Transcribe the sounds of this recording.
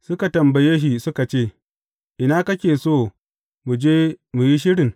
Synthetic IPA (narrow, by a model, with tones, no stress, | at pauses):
sʊ˦ka˨tɐ˨mbɐ˨jeː˦ʃi˨sʊ˦ka˨t͡ʃeː˦˨ | ʔɪ˨naː˦kɐ˦kʲeː˨soː˦˨ | mu˨d͡ʒeː˦mu˨ji˦ʃ̬ɪ˦ɽɪ˨ŋ